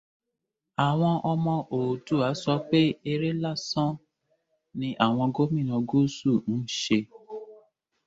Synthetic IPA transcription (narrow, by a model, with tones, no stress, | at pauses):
a˨w̃ɔ̃˧ʔɔ˧mɔ̃˧ʔo˨tu˦˨a˨˦sɔ˧˦k͡pe˦e˧ɾe˦la˦˨sɔ̃˦ | nĩ˧ʔa˦˨w̃ɔ̃˧ɡo˦mĩ˦˨nã˧ɡo˦su˦˨n̩˦ʃe˧